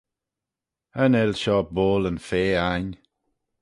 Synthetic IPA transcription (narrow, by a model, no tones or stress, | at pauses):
ənɛlʃɔboːlənfeːan